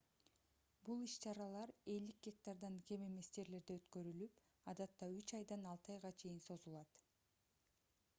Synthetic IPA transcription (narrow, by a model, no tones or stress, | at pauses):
bulˠiʃt͡ʃɑɾɑlˠɑɾe̞ld̪ik̚ɡʲe̞k̚t̪ɑɾd̪ɑnɡe̞meme̞sd͡ʒe̞ɾle̞ɾd̪eøt̪køɾylyp | ɑd̪ɑt̪ːɑyt͡ʃɑjd̪ɑnɑlˠt̪ɑjʁɑt͡ʃʰe̞jinso̞zulˠɑt̪